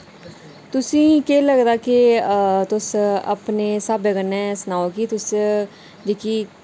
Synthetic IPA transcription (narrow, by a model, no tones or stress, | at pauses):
t̪ʊsĩːkeːləɡd̪aːket̪ʊsə̰pneːsaːbeɡənːɛ̃ːsnaːokiːt̪ʊs | d͡ʒeːkiː